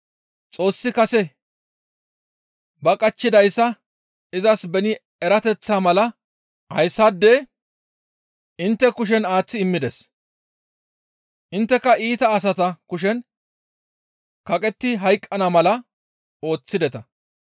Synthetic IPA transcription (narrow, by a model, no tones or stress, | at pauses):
t͡sʼo̞ːsːɪkɐsɛ | bɐkʼɐt͡ʃːɪd̪ɐjsːɐ | ɪzɐsbɛnɪ | ɛɾɐt̪ɛt͡sːaːmɐlɐ | hɐ̰jsːad̪ːeː | ʔɪnt̪ːɛkʊʃ̬ɛnaːt͡sːɪɪmːɪd̪ɛs | ʔɪnt̪ːɛkɐiːt̪ɐːs̬ɐt̪ɐkʊʃ̬ɛn | kɐkʼɛt̪ːɪɦɐjkʼːɐnɐmɐlɐ | o̞ːt͡sːɪd̪ɛt̪ɐ